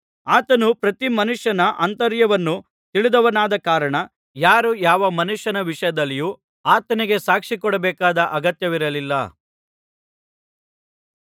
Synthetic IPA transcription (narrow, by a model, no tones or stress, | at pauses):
aːt̪ɐnupɾɐt̪imɐnuʂjɐnɐʔɐnt̪ɐɾjɐʋɐnːu | t̪iɭid̪ɐʋɐnaːd̪ɐkaːɾɐɳɐ | jaːɾujaːʋɐmɐnuʂjɐnɐʋiʂɐjɐd̪ɐlːiju | aːt̪ɐniɡe̞saːkʂikɔɽɐbɛːkaːd̪ɐʔɐɡɐt̪jɐʋiɾɐlilːɐ̰